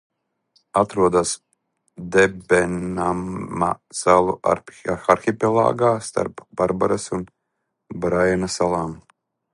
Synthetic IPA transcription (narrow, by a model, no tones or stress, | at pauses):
at̪ɾuɔd̪as | d̪ɛbɛnamasalˠṵa̰axaɾxʲipʲɛlˠa̰ːɡaːst̪a̰ɾpb̥aɾbaɾasun | bɾajanasalˠaːm